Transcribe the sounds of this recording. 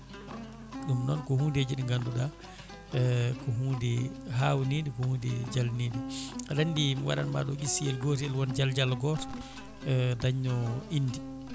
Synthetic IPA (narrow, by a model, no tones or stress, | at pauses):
ɗumnɔnkɔhuːded͡ʒiɗiŋɡanduɗa | kɔɦuːdɛɦawnidikɔhuːndɛd͡ʒalnidiɾandimwa̰ɗa̰nma̰ɗɔɡisiɛlɡɔɾɛlwɔnd͡ʒald͡ʒalɡɔɾ | daɲːɔindi